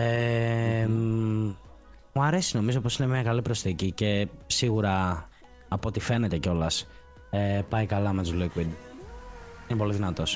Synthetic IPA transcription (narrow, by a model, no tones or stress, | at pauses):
e | muɐɾesino̞mizopo̞sine̞mɲɐkɐlipɾo̞st̪θicice̞siɣuɾɐː | po̞t̪ife̞ne̞t̪e̞ceo̞lɐs | epɐjkɐlɐme̞t̪uzlikwid̪ | inepo̞liðinɐt̪o̞s